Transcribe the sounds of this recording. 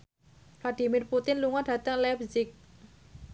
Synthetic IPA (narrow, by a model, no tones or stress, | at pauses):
flaɖ̥i̤mɪrput̪ɪnluŋɔɖ̥ä̤t̪əŋlɛbzɪk̚